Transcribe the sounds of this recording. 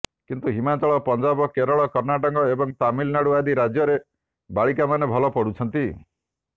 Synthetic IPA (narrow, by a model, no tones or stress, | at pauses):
kint̪uɦimat͡ʃɔɭɔpɔnd͡ʒabɔkeɾɔɭɔkɔɾnaʈɔŋkɔebɔŋt̪amilnaɽuad̪iɾad͡ʒjɔɾe | baɭikamanebʱɔlɔpɔɽut͡ʃʰɔnt̪i